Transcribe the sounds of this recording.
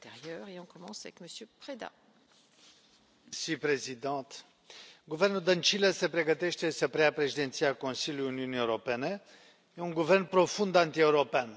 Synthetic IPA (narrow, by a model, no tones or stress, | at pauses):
t̪eʁjœːʁeɔ̃kɔmɑ̃savɛkməsjøpχed̪a̰ | sipɾe̞zid̪ɑ̃t̪ | ɡuvernuld̪ənt͡ʃilese̞pɾe̞ɡət̪e̞ʃt̪e̞səpɾeapɾe̞ʃid̪ent̪sijakõnsilʲujuniunieuɾope̞ne | jeuŋɡuvernpɾo̞fund̪ant̪ie̞uɾo̞pean